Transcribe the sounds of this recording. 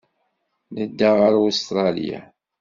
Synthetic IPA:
nəd̪ːaʁəɾost̪ɾˤɑlḭja̰

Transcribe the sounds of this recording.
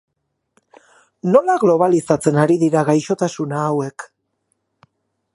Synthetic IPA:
no̞laɣlo̞β̞alisat͡se̞naɾiðiɾaɣajʃo̞t̪asunaːwe̞k

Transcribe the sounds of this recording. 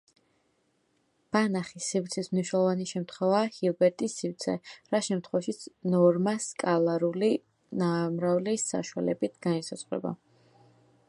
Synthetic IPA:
b̥anaχisivt̪sʰismniʃnɛlˠɔvaniʃɛmt̪ʰχwɛvaːhilˠbɛɾt̪ʼisivt̪sʰɛɾaʃɛmt̪ʰχwɛvaʃit̪sʰnɔɾmaskʼalˠaɾuli | namɾavlisa̰ʃuwalɛbit̪ʰɡ̥anisat̪sʼχʼwɾɛ̰ba̰

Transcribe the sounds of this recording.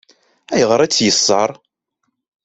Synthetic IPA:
æjʁɾˤæt͡sːjəsˤːəɾˤ

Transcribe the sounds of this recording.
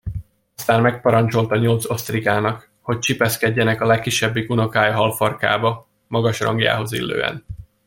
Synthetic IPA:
ɒst̪aːnmɛk̚pɒɾɒnt͡ʃo̞lt̪ɒɲo̞lt̪so̞st̪riɡaːnɒk | ho̞c̚t͡ʃipɛskɛɟːɛnɛkɒlɛkːiʃːɛbːiɡuno̞kaːjɦɒlforka̰ːbɒ | mɒɡɒʃrɒ̰ŋɡja̰ːɦo̞zḭlːø̰ːɛ̰n

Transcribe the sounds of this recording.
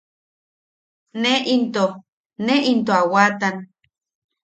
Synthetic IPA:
neʔint̪o | neʔint̪̬oawat̪an

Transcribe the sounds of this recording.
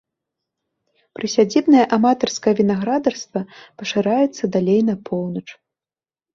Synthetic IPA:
pɾɨsʲad͡zʲibnɐjɛʔamat̪ɐrskɐjɐvʲinaɣɾad̪ɐrst̪vɐpɐʂɨɾajɛt̪sːɐd̪alʲejnɐpʰɔwnɐt͡ʂ

